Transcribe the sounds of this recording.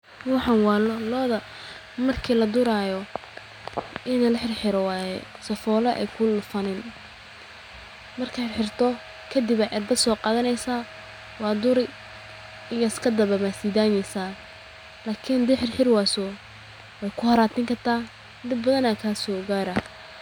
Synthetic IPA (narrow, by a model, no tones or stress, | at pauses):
wɑħɑnwɑːlɔlɔːðɐ | mɐrkʰiːlɐd̪ʊɾaːjɔ | ɪnɐlɐħɪrħɪɾɔwɑːjɛ | sɐfɔːlɐʔɛ̰kʰʊlʊfɐnɪn | mɐrkʰaħɪħɪrt̪ʰɔ | kʰɐd̪ɪβɛjʔɛrd̪ɐsɔːqɑːðɐnɛjsaː | wɑːd̪ʊɾɪ | ɪŋjɐskʰɐd̪ɐβɐβasiːd̪aːnɛjsaː | laːkʰɪnd̪ɛħɪrħɪrwaːsɔ | wɛjkʰʊhɐɾaːt̪ʰɪŋkɐrt̪ʰaː | d̪ɪbbɐðɐnakʰaːsɔːɡaːɾɐ